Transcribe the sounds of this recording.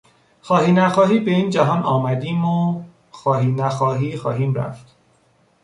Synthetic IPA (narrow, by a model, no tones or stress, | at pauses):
xɒːhiːnæxɒːɦiːbe̞iːnd͡ʒæɦɒːnɒːmæd̪iːmo | xɒːɦiːnæxɒːɦiːxɒːɦiːmɾæ̰ft̪